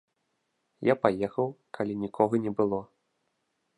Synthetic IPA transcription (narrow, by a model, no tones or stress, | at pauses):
japajɛxɐwkʰalʲinʲikʰɔɣɐnʲɛbɨlˠɔ